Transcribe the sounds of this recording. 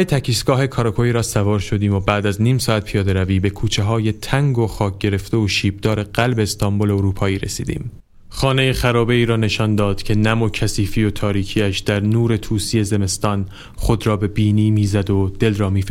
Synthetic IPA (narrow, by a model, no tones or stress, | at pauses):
et̪ʰæcʰiːsɡ̥ɒːɦe̞kʰɒːɾɒkʰoiːɾɒːsævɒːɾʃo̞d̪iːmobæːd̪æzniːmsɒːæt̪̚pʰijɒːd̪e̞ɾæviːbe̞kʰuːt͡ʃʰe̞ɦɒːje̞t̪ʰæŋɡo̞xɒːk̚ʰɟ̥e̞ɾe̞ft̪e̞oʃiːb̚d̪ɒːɾe̞ɢælbe̞ːst̪ɒmbole̞oɾuːpʰɒːiːɾe̞̰sḭːd̪ḭːm | χɒːne̞jexæɾɒːbe̞iːɾɒːne̞ʃɒnd̪ɒːd̪̥cʰe̞næmo̞cʰæsiːfiːjo̞t̪ʰɒːɾiːcʰiːæʃd̪̥æɾnuːɾe̞t̪ʰuːsije̞ze̞me̞st̪ɒːn | χo̞d̪ɾɒːbe̞biːniːmiːzæd̪od̪̥e̞lrɒːmiːf